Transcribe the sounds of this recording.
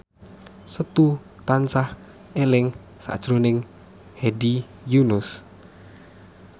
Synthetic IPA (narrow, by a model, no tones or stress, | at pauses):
sət̪u | t̪ansah | elɪŋ | sa̰d̥ʒ̥ɾonɪŋ | hedi | junʊs